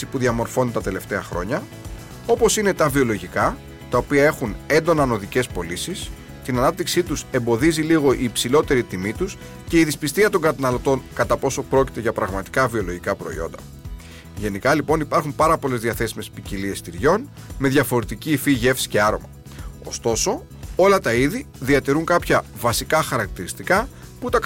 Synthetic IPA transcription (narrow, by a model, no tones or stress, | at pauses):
sipuðiɐmo̞ɾfo̞nd̪et̪ɐt̪e̞le̞ft̪e̞ɐxɾo̞̰ɲɐ | o̞po̞sine̞t̪ɐvio̞lo̞ʝikɐ | t̪ɐopiɐe̞xune̞nd̪o̞nɐno̞ðice̞spo̞lisis | t̪inɐnɐp̚t̪iksit̪use̞mbo̞ðiziliɣo̞ʔiːpsilo̞t̪e̞ɾit̪imit̪us | ce̞iðispist̪iɐt̪o̞ŋɡɐt̪ɐnɐlo̞t̪o̞nkɐt̪ɐpo̞so̞pɾo̞ci̥t̪e̞ʝɐpɾɐɣmɐt̪i̥kɐvio̞lo̞ʝikɐpɾo̞̰ḭo̞̰nd̪ɐ̰ | ʝe̞nikɐlipo̞nipɐɾxumpɐɾɐpo̞le̞zðiɐθe̞sime̞spicilie̞st̪iɾʝo̞n | me̞ðʝɐfo̞ɾe̞t̪icifiʝe̞fsi̥ce̞ɐɾo̞̰mɐ | o̞̰st̪o̞so̞ | o̞lɐt̪ɐiðiðiɐt̪iɾuŋkɐpçɐvɐsikɐxɐɾɐk̚t̪iɾist̪ikɐ | put̪ɐ